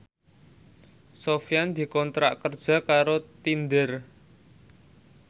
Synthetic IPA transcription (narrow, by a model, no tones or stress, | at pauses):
sofijand̪̥i̤kɔnt̪ɾa̰ʔkərd̥ʒ̥ä̤kaɾot̪ind̪ər